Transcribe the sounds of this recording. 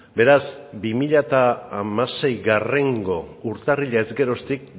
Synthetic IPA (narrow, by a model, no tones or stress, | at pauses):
be̞ɾasbimiʎat̪aːmase̞jɣare̞ŋɡo̞uɾt̪ariʎaezɡe̞ɾo̞st̪ik̚